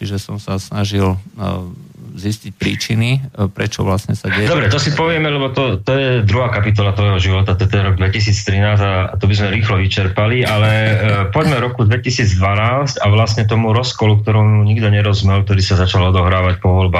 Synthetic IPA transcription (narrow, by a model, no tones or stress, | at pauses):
t͡ʃiʒɛsɔmsasnaʒil | ziscic̚pɾiːt͡ʃinipɾɛt͡ʃɔ̰ʋlasɲɛsaɛd̪ɔbɾɛt̪ɔsipɔʋɪɛmɛlɛbɔt̪ɔt̪ɔjɛd̪ɾuɦaːkapit̪̬ɔlat̪ʋɔjɦɔʒiʋɔt̪at̪ɔɛt̪ɛnɾɔɡ̚d̪ʋɛcis̬iːt͡st̪ɾinaːzaat̪ɔbizmɛɾiːxlɔʋit͡ʃɛɾpalialɛpɔɟmɛvɾɔkud̪ʋɛcisiːd͡zd̪ʋanaːscaʋlasɲɛt̪̬ɔmuɾɔskɔluk̚t̪ɔɾɔmjuɲiɡd̪ɔɲɛɾɔzmɛlk̚t̪ɔɾiːsazat͡ʃalɔd̪ɔɦɾaːʋacpɔʋɔlbaː